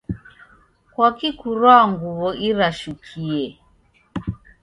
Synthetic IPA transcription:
kwakikuɾwaŋɡuβɔʔiɾaʃukʰiɛ

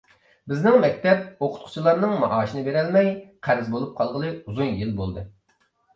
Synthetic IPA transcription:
bɪznɪŋmɛkʲt̪ɛp̚oqʰʊ̥t̪̚qʰʊ̥t͡ʃʰilˠɑɾnɨŋmɑ̰ʔɑːʃinɨbeɾɛlmɛjqʰæɾɪzbolˠup̚qʰɑlˠʁəlˠɨuzunjilbolˠd̪ɨ

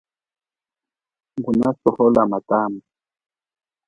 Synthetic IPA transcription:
ŋɡunasɔhɔlamataːma

